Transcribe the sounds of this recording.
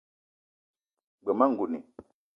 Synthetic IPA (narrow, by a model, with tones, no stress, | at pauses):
ɡ͡bə˨ma˦ŋ̩˨ɡu˨nḭ˨